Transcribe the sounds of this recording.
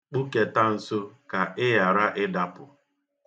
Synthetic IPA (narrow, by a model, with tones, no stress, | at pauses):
k͡pu˦ke˦ta˦n̩˨so˦ka˨ʔɪ˦ja˨ɾa˦ʔɪ˦da˦pʊ˨